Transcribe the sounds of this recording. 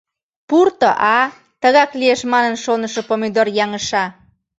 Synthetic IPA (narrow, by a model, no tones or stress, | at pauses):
purt̪əʔɑ | t̪əɣɑklieʃmɑnənʃonəʃopomed̪orjɑŋəʃɑ